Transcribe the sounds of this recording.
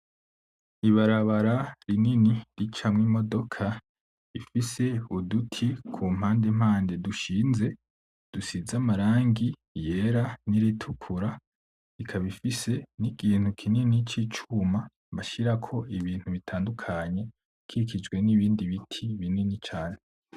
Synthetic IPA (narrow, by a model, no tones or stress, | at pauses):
iβaɾaβaɾaɾininiɾit͡ʃamŋimo̞do̞kʰa | ifise̞udutʰikʰum̥haːnde̞m̥aːnde̞duʃiːnze̞ | d̥usizamaɾaːŋɡi | je̞ɾaniɾitʰukʰuɾa | ikʰaβifise̞nikʰiːn̥hukʰininit͡ʃit͡ʃuma | βaʃiɾakʰo̞ʔiβiːn̥huβitʰaːndukʰaɲe̞ | kʰiikʰid͡ʒɡwe̞niβiːndiβitʰiβininit͡ʃaːne